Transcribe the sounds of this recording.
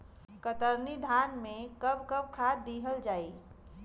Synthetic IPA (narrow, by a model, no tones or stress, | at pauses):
kət̪əɾnid̪ʱanmẽkəb̚kəb̚kʰat̪̚d̪iɦəld͡ʒaːi